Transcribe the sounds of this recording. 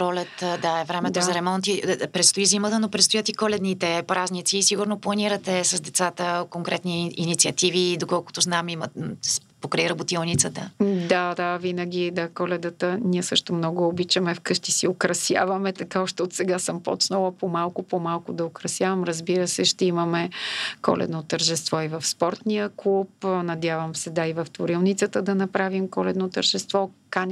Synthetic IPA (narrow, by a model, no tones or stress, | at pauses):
pɾɔlʲɛt̪d̪aɛvɾɛmɛd̪ʊzɐɾɛmɔnt̪ipɾɛt̪st̪oizimət̪ənopɾɛt̪st̪ojət̪ikɔlɛd̪nit̪ɛpɾaznit̪siːsiɡʊɾnoplˠɐniɾət̪ɛsɐzd̪ɛt̪sat̪əkoŋkɾɛt̪niinit̪siɐt̪ivid̪okɔlˠkʊ̥t̪ʊznamimə | pokɾɐiɾɐbʊt̪ilˠnit̪sət̪əd̪ad̪avinəɡʲid̪akɔlɛd̪ət̪əniɛsɤʃt̪ʊmnɔɡʊobit͡ʃəmɛfkɤʃt̪isiokɾɐsja̰vɐmɛt̪ɐkaɔʃt̪ɛot̪sɛɡasəmpɔ̰t͡ʃnəlˠəpomalˠkʊpomalˠkʊd̪ɐokɾɐsjavɐmɾəzbiɾəsɛʃt̪ɛiməmɛkɔ̰lʔɛ̰d̪not̪əɾʒɛst̪vɔivɐfspɔɾt̪niəklˠupnɐd̪ʲjavəmsɛd̪aivɐft̪voɾilˠnit̪sət̪əd̪ɐnɐpɾavimkɔlɛd̪not̪əɾʒɛst̪vɔkanʲ